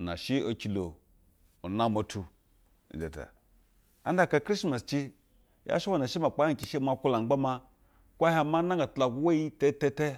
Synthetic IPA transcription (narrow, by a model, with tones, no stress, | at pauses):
na̰˨ʃi˦o˨kʲi˨lo˨ | u˨na˦mo˨tʰu˨ | de˨ta̰˨ | a̰˦n˦da˦˨ka˨kɾi˦sma˨st͡ʃi˦ | ja̰˦ʃi˦wa˨na˨ʃi˦ma˨k͡pa˦hi˦˨i˨ʃi˦ma˨kʷu˦la˨˦a˦ma˦ | kʷa˦ha˦ma˦na˦ŋɡa˨tla˨ɡʷu˦we˦ji˦te˦te˦te˦